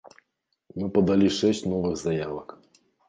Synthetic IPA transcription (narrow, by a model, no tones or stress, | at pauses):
mɨpɐd̪alʲiʂɛsʲt͡sʲnɔvɨɣzajavɐk